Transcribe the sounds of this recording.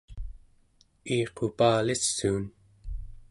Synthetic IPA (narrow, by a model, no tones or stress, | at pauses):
iːqʰo̞paːlisːuːn